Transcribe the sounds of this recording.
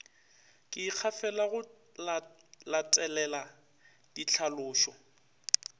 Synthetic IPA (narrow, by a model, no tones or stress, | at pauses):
kʼɪk͡xʰafɛlaɣʊ | lat͡sʼɛlɛla | d̥it͡ɬʰalʊːʃɔ